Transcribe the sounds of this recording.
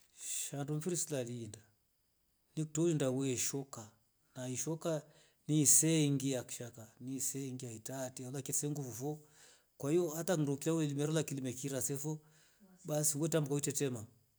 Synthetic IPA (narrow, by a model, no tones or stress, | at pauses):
ʃandɔm̩fiɾisilalinda | nik̚tɔulindawɛʃɔka | naiʃɔka | nisɛŋɡiaki̥ʃakanisɛŋɡiaitatialakɛtsɛŋɡufɔfɔ | kwaijɔatakdukilawulilimɛɾɔlakilimɛkiɾasɛfɔ | basiwɛtambukaitɛtɛma